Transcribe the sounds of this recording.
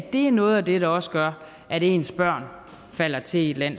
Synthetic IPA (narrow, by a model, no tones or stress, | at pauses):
d̥e̝æɐnɔ̽ːð̞̩ˠæd̥e̝ɾ̥ɑ̈ɒ̽səɡ̥ɶɐ | ʔæɾe̝̰ːnsb̥ɶɐ̰n | fæl̰ɐt͡sʰe̝i̥læn̰